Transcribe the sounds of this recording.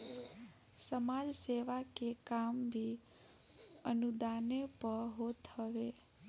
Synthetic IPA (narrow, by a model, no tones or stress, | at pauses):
səmad͡ʒseʋakekambʱi | ənud̪anepəɾɦot̪ʰəʋe